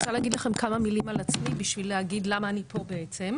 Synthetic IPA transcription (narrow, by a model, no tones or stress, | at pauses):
ot͡saleaɡidlaχe̞mkamamilimalat͡smibiʃvilehaɡidlamaːnipʰo̞be̞et͡se̞m